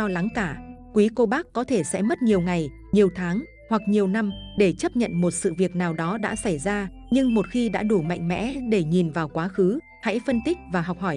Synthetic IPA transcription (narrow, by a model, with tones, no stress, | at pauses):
ɔ˧la˨˦ŋkaː˧˩kwi˨˦ko˧ɓaː˦˥kːɔ˨˦t̪ʰe˧˩sɛ̰˧˥mə˦˥t̚ɲi˨˩əwŋa˨˩j | ɲi˨˩əwt̪ʰaː˨˦ŋ | hwa˨˩k̚ɲi˨˩əwna˧mɗe˧˩t͡ɕə˦˥p̚ɲə̰˧˨nmo˨˩t̚sɨ̰˧˨vi˨˩ək̚naː˨˩wɗɔ˨˦ɗa̰ː˧˥sa˧˩jzaː˧ | ɲɨ˧ŋmo˨˩t̚xi˧ɗa̰ː˧˥ɗu˧˩ma̰˧˨jŋ̟mɛ̰˧˥ɗe˧˩ɲi˨˩nvaː˨˩wkwaː˨˦xɨ˨˦ | ha̰˧˥jfə˧nt̪ï˦˥k̚vaː˨˩ɦɔ˨˩wk͡p̚hɔ˧˩j